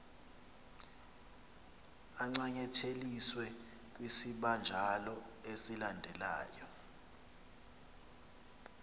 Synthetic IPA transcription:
aŋ͡ǀaɲɛtʰeliswɛ | k̬ʼwisiɓand͡ʒʱalɔesilandʱɛla̰ːjɔ

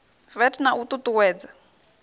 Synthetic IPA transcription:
vɛtnaʔut̪ʼut̪uwɛːd͡za

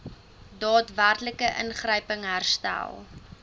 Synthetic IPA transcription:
dɑːtværtləkəʔənχrəjpəŋɦærstæ̰lˠ

